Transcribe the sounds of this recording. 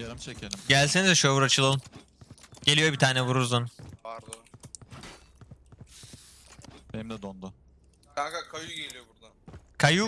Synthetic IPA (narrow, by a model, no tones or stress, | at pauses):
eɾimt͡ʃʰecʰelimɟælʲsenizd̪ɛʃojbuɾat͡ʃʰɯlˠolˠn | ɟe̞lʲijo̞bit̪ʰaːnɛvuɾuɾzunaɾd̪ | benimd̪ɛd̪ond̪ʊ | k̪akakʰajuɟelʲijobuɾd̪akʰaju